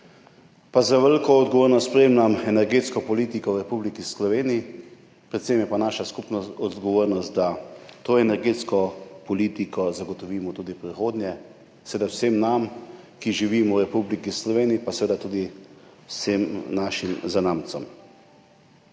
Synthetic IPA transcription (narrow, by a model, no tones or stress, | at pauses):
pazaʋəlkɔːd̪̚ɡɔʋoːɾnɔspɾeːmnamɛnɛɾɡeːt̪skɔpɔliːt̪ikɔwɾɛpublikislɔʋeːniː | pɾɛt̪semjɛpanaːʃaskupnɔɔd̪ɡɔʋoːɾnɔst̪̚d̪at̪oːɛnɛɾɡeːt̪skɔpɔliːt̪ikɔzaɡɔt̪ɔʋiːmɔt̪uːd̪ipɾixoːd̪njɛ | sɛʋed̪awsemnamkiʒiʋiːmɔwɾɛpublikislɔʋeːniːpasɛʋeːd̪at̪uːd̪i | wsemnaːʃimzanaːmt̪sɔm